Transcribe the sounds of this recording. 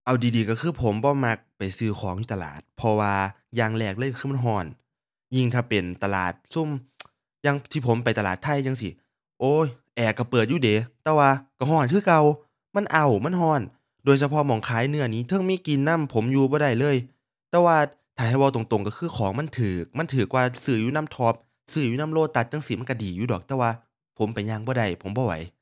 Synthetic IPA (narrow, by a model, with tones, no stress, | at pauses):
ʔa˧˩wdiː˨˩diː˨˧kɔ˧˩kʰɯː˧˩pʰo˨˦mbɔː˧˦ma˧˩k̚pa˨˩jsɯː˧˩xʰɔː˨˦ŋt̪ʰiː˧t̪a˧la̰ː˨˩t̪̚pʰɔ˧waː˧ | jaː˧˩ŋlɛː˧˩k̚lɤː˧˥˨jka˧ɯː˧m˧˥˩nɦɔː˧˩n | ji˧˩ŋt̪ʰaː˧˩pe˨˩nt̪a˧la̰ː˨˩t̪̚su˧˥˨m | ja˧ŋt̪ʰiː˧˩pʰo˨˦mpa˨˩jt̪a˧laː˨˩t̪ʰːa˧˥˨jːaː˧ŋsi˧˦ | ʔoː˧˥˩ʔɛː˨˩kːa˧˩pɤː˨˩t̪̚juː˧˩deː˨˦t̪ɛː˧waː˧ka˧˩ɦɔː˧˩nkʰɯː˧˩˨ka˧w | ma˧˥˨nʔa˨˩wma˧˥˨nɦɔː˧˩n | doː˧˨jsa˧pʰɔ˧˥mɔː˨˩ŋkʰaː˨˥jnɯ˧˥ɐ˨niː˦˥˨t̪ʰɤ˧˥˨ŋmiː˧˥˨ki˧nːa˧˥˨mpʰo˨˦mjuː˧bɔː˧ɾa˧˩jlɤː˧˥˨j | t̪ɛː˧waː˧˩ | t̪ʰaː˨˩ɦa˧˩jwa˧t̪o˨˩ŋt̪o˨˩ŋka˧˩kʰɯː˧˩˨kʰɔː˨˦ŋma˧˥˨nt̪ʰɯː˨˩k̚ma˥˨nt̪ʰɯː˨˩k̚waː˧sɯː˧˩juː˧na˧˥˨mt̪ʰɔː˧˥p̚ | sɯː˧˩juː˧na˧˥˨mloː˧˩t̪ːa˨˧˩t̪̚t͡ɕa˧ŋsi˧˨˩ma˧˥˨nka˧˩diː˨˩juː˧˩dɔː˨˩k̚t̪ɛː˧waː˧ | pʰo˨˦mpa˨˩jɲaː˧ŋbɔː˧˦da˧˩jpʰo˩˦mbɔː˧˩wa̰˨˦j